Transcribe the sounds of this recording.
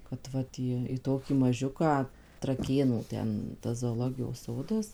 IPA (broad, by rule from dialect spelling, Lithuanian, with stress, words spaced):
kɐt ˈʋɐt iː iː ˈtoːkʲiː mɐˈʒʲʊkɑː trɐˈkʲeːnuː ˈtʲɛn tɐs zoːoːˈlˠoːɡʲɪjoːs ˈsoːdɐs